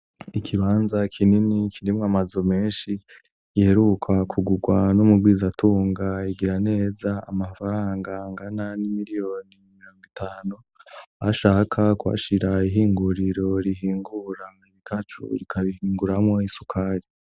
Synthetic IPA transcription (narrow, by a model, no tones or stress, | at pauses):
ikʰiβaːnzakʰininikʰiɾimŋamazome̞ːnʃi | ɡ̥ihe̞ɾukʰakʰuɡuɡwanumubɡwiːzatuːŋɡaiɡiɾane̞ːzaa̰mafaɾaːŋɡaŋɡananimiɾijo̞ːnimiɾo̞ːŋɡitʰaːnu | aʃaːkʰakwa̰ʃiɾaiɦiːŋɡuɾiɾo̞ɾiɦiːŋɡuɾaiβikʰat͡ʃṵɾikʰaβihiːŋɡuɾamŋo̞isukʰaɾi